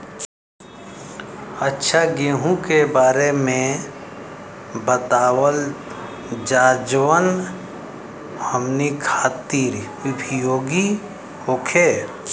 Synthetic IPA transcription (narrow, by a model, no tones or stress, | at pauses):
ətːʃʰaɡeɦũkebaːɾemẽ | bət̪aːwəl | d͡ʒaːd͡ʒwən | həmnikʰaːt̪iːɾ | ʊbʱijoːɡi | hoːkʰeː